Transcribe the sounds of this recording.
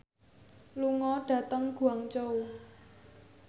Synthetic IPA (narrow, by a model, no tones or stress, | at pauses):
luŋɔɖ̥ä̤t̪əŋɡ̥uaŋt͡ʃou